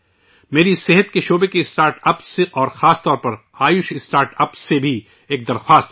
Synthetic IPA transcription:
meːɾisɪɦət̪keʃoːbekiɪsʈaːɾʈɐpseʔɔːɾxaːst̪ɔːɾpɐɾaːjʊʃɪsʈaːɾʈɐpssebʱi | eːk̚d̪ɐɾxwaːst̪

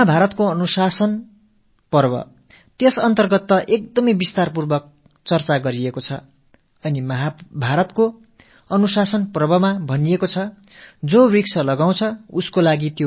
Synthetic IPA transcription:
mʌɦabʱaɾʌt̪koʌnusasʌn | pʌrbʌ̰ | t̪esʌnt̪ʌrɡʌt̪ːʌʔek̚d̪ʌmʌjbist̪arpurbʌk̚ | t͡sʌrt͡saɡʌɾiekot͡sʰʌ | ʌnimʌɦabʱaɾʌt̪ko | ʌnusasʌnprbʌmabʱʌnijekot͡sʰʌ | d͡zoriksʌlʌɡaw̃t͡sʰʌuskolaɡit̪jo

